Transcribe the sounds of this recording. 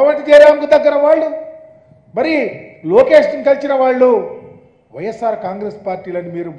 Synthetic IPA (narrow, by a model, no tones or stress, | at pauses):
ʋɐɳʈit͡ʃ̪ɛːd̪aːmkud̪ɐɡːɐɾɐʋaːɭːu | mɐɾiloːke̞ːʂiŋkɐlt͡ʃinɐʋaːɭːu | ʋɐjesːaːɾkaːŋɡɾeːspaːɾʈiːlɐnimiːɾu